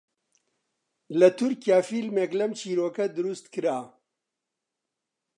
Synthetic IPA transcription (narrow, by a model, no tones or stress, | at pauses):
lɐt̪ʰʊɾkjaːfiːlmeːklɐmt͡ʃʰiːɾoːkɐd̪ʊɾust̪kɨɾaː